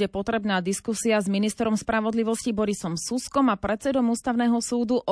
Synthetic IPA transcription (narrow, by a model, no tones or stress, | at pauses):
ɛpɔt̪ɾɛbnaːd̪iskusiazminist̪ɾɔmspɾaʋɔd̪liʋɔscibɔɾisɔmsuskɔmapɾɛt̪sɛd̪ɔmuːst̪aʊnɛːɦɔsuːd̪uʔɔ